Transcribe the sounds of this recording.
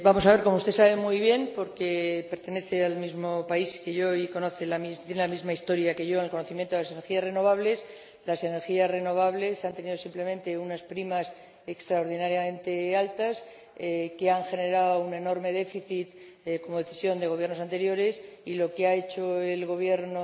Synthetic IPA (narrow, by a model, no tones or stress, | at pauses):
bamosaβeɾko̞moust̪e̞saβe̞mujβ̞je̞mpo̞ɾkepe̞ɾt̪e̞ne̞θe̞almizmo̞paiske̞ʝo̞iko̞no̞θe̞lamit̪jenelamizmaist̪o̞ɾjake̞ʝo̞enelko̞noθimjent̪oelaseneɾxiasre̞no̞β̞aβle̞s | lase̞ne̞ɾxiasre̞no̞β̞aβle̞sant̪e̞niðo̞simple̞mẽ̞nt̪e̞unaspɾimas | ekst̪ɾaoɾð̞inaɾjamẽ̞nt̪e̞alt̪as | keaŋxe̞ne̞ɾaoune̞no̞ɾme̞ð̞e̞fiθit̪ | ko̞mo̞ðeθisjo̞nd̪e̞ɣ̞o̞βjeɾnosant̪e̞ɾjo̞ɾe̞silo̞keae̞t͡ʃo̞e̞lɣo̞β̞je̞ɾno